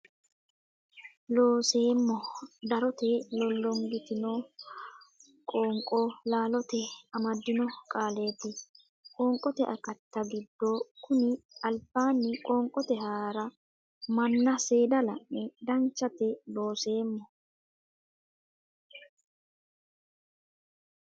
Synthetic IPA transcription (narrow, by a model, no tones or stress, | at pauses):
lo̞ːse̞ːmːɔd̪ɐɾɔt̪ɛlɔlːɔŋɡɪt̪ɪnɔ | kʼoːŋkʼɔlaːlɔt̪ɛɐmɐd̪ːɪnɔkʼaːleːt̪ːɪ | kʼɔːŋkʼɔt̪ɛʔɐkɐt̪ːɐɡɪd̪ːokʊnɪɐlbaːnːɪkʼɔːŋkʼɔt̪ɛhaːɾɐ | mɐnːɐse̞ːd̪ɐlɐʔːɛd̪ɐnt͡ʃːɐt̪ɛlo̞ːse̞ːmːɔ